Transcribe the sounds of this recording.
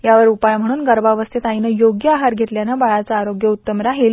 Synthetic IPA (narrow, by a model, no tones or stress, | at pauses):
jaʋəɾupajm̤əɽ̃uːnɡəɾbaʋəst̪et̪ainəjoɡjəaɦaɾɡʱet̪ljanabaɭat͡saːɾoɡjəut̪ːəmɾaɦel